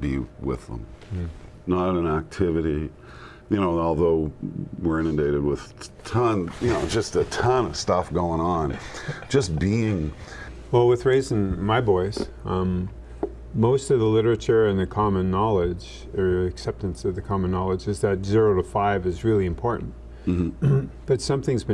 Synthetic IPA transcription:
b̥ḭwɪ̰ðə̰̃m̩ | nəɾɾɨ̃næk̚tʰɪvɨɾi | jɨñoʊɔlˠðoʊwɪɹɪ̃ñɨ̃deɪɾɨd̚wɪð̥tʰʌ̃njɨnoʊd͡ʒʌstɨtʰʌ̃nʌv̥stʌfɡ̥oʊɪ̃ŋə̃n̥d͡ʒʌsb̥iɪ̃ŋ | wɛlˠwəðɹeɪzɨ̃nmaɪbɔɪz̥ | moʊstʌvðəlɪɾə˞ɨt͡ʃə˞ɨ̃nðɨkʰɑmɨ̃nːɑlˠɪd͡ʒ | ə˞ɨksɛp̚tɨ̃nsʌvðɨkʰɑmɨ̃nːɑlˠəd͡ʒɨzðɨtzɪɹoʊɾəfaɪvɨzɹɪlˠiɨ̃mpʰɔɹʔn̩t̩ | b̥ʌtsʌ̃mθɪ̃ŋzbɨ̃

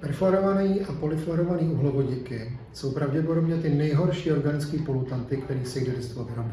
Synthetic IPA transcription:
pɛɾflaɾovaniːʔapolɪflaɾovaniːuɦlovoɟɪkɪ | sowpɾawɟɛpodobɲɛt̪ɪnɛjɦoɾʃiːoɾɡanɪt͡skiːpolut̪ant̪ɪkt̪ɛɾiːsɛjdɛdɛst̪oavɾomb

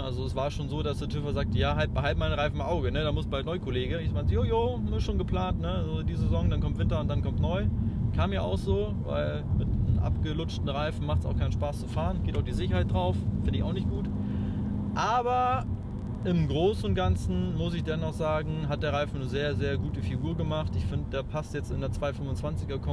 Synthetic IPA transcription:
ʔalzoɛsv̥aːɐʃoːnzoːdasd̥eːtʰʏfɐzaːk̚təjaːɦalbɦaltmaɪnʁaɪfmʔaʊɡənədaːmʊstb̥aɪnɔʏkʰoleːɡəɪmaɪnzəjoːjoːnuːsʃoːnɡəpl̥aːntnəazodiːzəzezɔŋdankʰɔmtv̥ɪntɐʊntd̥ankʰɔmtnɔʏkʰaːmjaːʔa̰ʊxz̥oː | va̰ɪl | mɪtnəmʔa̰pɡ̥əlʊt͡ʃtn̩ʁaɪfn̩maχtsa̰ʊxkʰaɪn̩ʃpaːst͡sufaːʁənɡeːtaʊxd̥iːzɪçɐhaɪtd̥ʁaʊffɪndəɪça̰ʊxnɪçt̚ɡ̥uːt | ʔaːbɐ | ʔɪmɡʁoːsʊnt̚ɡ̥ant͡sn̩mʊs̬ɪçd̥ɛnːɔχz̥aːɡŋ̩ɦat̚d̥eːɐʁ̞aɪfn̩nəzeːɐzeːɐɡuːtəfiɡuːɐɡəmaχtɪçfɪndəd̥eːɐpʰastjɛt͡stɪndeːɐt͡sv̥aɪfʏmvʊnt͡sv̥ant͡sɪɡɐkʰɔ

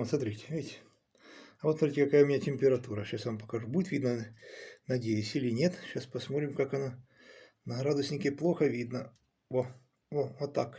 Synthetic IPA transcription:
ot̪smɐt̪ɾʲitʲɪ̥vʲitʲɪ | ɐvot̪smɐt̪ɾʲitʲɪkɐkajʊmʲɪnʲatʲɪmʲpʲɪɾɐt̪uɾəɕasvampɐ̥kɐʐubudʲɪt̪vʲid̪nə | nɐdʲejɪsʲɪlʲɪnʲet̪ɕaspɐsmot̪ʲɾʲɪmkakɐna | nɐɾad̪əsʲnʲɪkʲɪplˠoxəvʲid̪nə | vo | vovot̪ːak

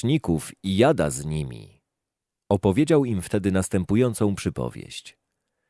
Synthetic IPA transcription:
ɲikufijad̪a̰zɲimʲḭ | ɔpɔvʲjed͡ʑawimft̪ɛd̪ɘnast̪ɛmpujɔnt̪sɔ̃w̃pʂɘpɔ̰vʲjḛɕt͡ɕ

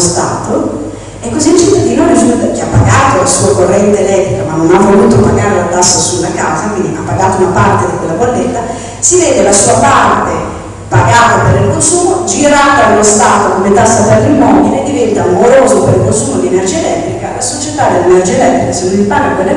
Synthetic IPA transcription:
st̪aːt̪o | ɛkːozint͡ʃent̪ad̪iloɾid͡ʒud̪ak̟iapːaɡaːt̪olasuːakorːɛnt̪eːlɛt̪ːɾikamanːonavːoluːt̪opaɡaːɾelat̪asːasulːakawzakwind̪iʔapːaɡaːt̪ounapart̪ed̪ikwelːabolːet̪ːa | sivɛːd̪elasuːapart̪e | paɡaːt̪apeɾilkonsuːmod͡ʒiɾaːt̪ad̪ulost̪aːt̪okomet̪asːaterːimːɔbileːd̪ːivɛnt̪ammoɾoːzopeɾilkonsuːmod̪iɛnerd͡ʒiːelɛt̪ːɾikalasot͡ʃet̪ad̪elːenerd͡ʒiːelɛt̪ːɾikasived̪ilpaːɡekːwelːa

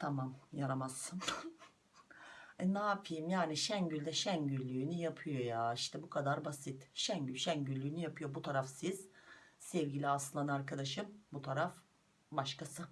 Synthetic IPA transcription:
t̪ʰamamjaɾamasːɯn | ɛnaːpʰɯjɯmjaːniʃæɲɟylʲd̪ɛʃæɲɟylʲːyːnyjapʰɯjo̞jaːiʃt̪ʰɛbukʰad̪aɾbasit̪ʃæɲɟylʲʃæɲɟylʲːyːnyjapɯjo̞but̪ʰaɾafsiz̥sɛvɟilʲiasɯnd̪anaɾkʰad̪aʃɯmbut̪ʰaɾaf | baʃkasɯ

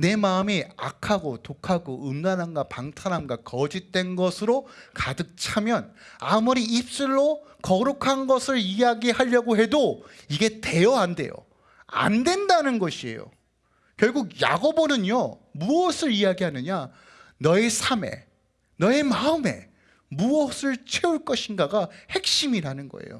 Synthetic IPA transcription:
ne̞maɯmia̰kʰaɡotokʰaɡoʔɯmɡanɦanɡwapaŋtʰanɦanɡwakʌd͡ʑit̚t͈we̞nɡʌsʰɯɾokadɯk̚t͡ɕʰamjʌnamuɾiip̚s͈ɯɭːo | kʌɾukʰanɡʌsʰɯɭijaɡiɦaʎːʌɡoɦe̞doiɡe̞te̞jʌande̞̰jo̰ | a̰ndwe̞ndanɯnɡʌɕʰie̞̰jo̰ | kjʌɭɡuɡja̰ɡobonɯɲo | muʌsʰɯɾijaɡiɦanɯɲa | nʌesʰame̞̰ | nʌemaɯme̞̰ | muʌsʰɯɭt͡ɕʰe̞uɭk͈ʌɕʰinɡaɡahe̞k̚ɕ͈imiɾanɯnɡʌ̰ḛjo̰

